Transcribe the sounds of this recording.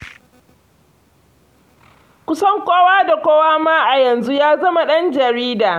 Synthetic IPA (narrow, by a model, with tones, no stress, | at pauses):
kʷʊ˦sɐ˦ŋkʷʼoː˦waː˦da˨kʷoː˦waː˦maː˦ʔa˨jɐ˨nzu˦jaː˦zɐ˦ma˨ɗɐ˦nd͡ʒɐ˨ɾiː˦daː˨